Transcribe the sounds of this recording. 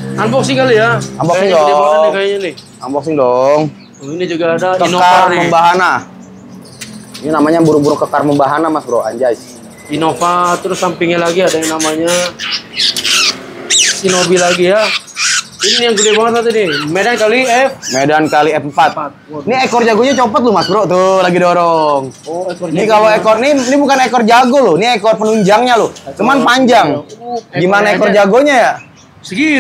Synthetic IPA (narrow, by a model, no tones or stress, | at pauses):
anbɔksɪŋkalijaambɔsɪŋdɔdbaakajaɲanɪh | ambɔk̚sɪŋdɔŋ | oinid͡ʒuɡaːdakəinokaməmbaɦana | ininamaɲabuɾubuɾʊŋkəkarməmbaɦanamasbɾowa̰ɲd͡ʒais | inofat̪ɾʊsːampɪŋɲalaɡiadaɲanamaɲa | sinobilaɡija | inijaŋkudiabaŋət̪̚at̪unɪmedankaliɛfmedankaliɛfmpat̪̚ | niekɔrd͡ʒaɡoɲat͡ʃopɔt̪̚lʊmasbɾoʔt̪olaɡidoɾɔŋnikaloekɔrninibukanekɔrd͡ʒaɡolʊniekɔrpənuɲd͡ʒaŋɲalʊt͡ʃumanpaɲd͡ʒaŋɡɡimanaekɔrd͡ʒaɡoɲaja | sɡi